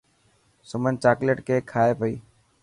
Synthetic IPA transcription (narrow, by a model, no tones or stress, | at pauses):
səmənt͡ʃaːkleʈkeːkʰaːepəiː